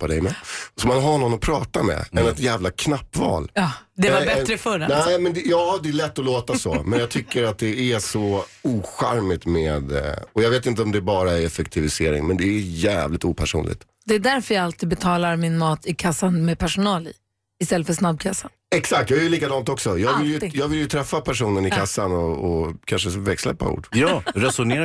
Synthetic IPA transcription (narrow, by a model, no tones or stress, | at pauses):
pːad̪ɛ̰jmɛsɔmanɦaɳɔnːɔpʰɾɑːt̪amɛ̰ɛnɛt̪jæːvlakʰnapːvɑ̰ːlːd̪ɛvabɛɾəfœɾanæɪmɛnd̪ɛjɑːd̪ɛːlɛt̪ːɔloːt̪asɔ̰mɛnjɑːɡt̪ʰʏkːəɾat̪̚d̪ɛæsɔuːɧæɾmɪt̪meːd̪ɔjɑɡveːt̪̬ɪnt̪əɔmd̪ɛːbɑːɾaɛfɛkt̪ʰɪvɪseːɾɪ̰ŋmɛnd̪ɛæjæːvlɪt̪uːpʰæʂṵːnlɪ̰ɡ̚t̪ | d̪ɛːd̪æɾfœɾjaɡalt̪iːd̪̚bɛt̪ʰɑːlaɾmɪnmɑːt̪ʰɪkʰasːanmɛpʰæʂʊnɑːlɪ̰ | ɪst̪ɛlːəfœʂnab̚ːkʰasa | ɛksak̚t̪jɑːɡɛjəliːkad̪ɑːnt̪ɔksɔjɑːɡvɪljəjɑːɡvɪljɵt̪ʰɾɛfːapʰæʂuːnənɪkʰasːanɔɔkʰanʂ̬əvɛkslɛ̰pːa̰ṵːɖjɑːɾɛsʊneː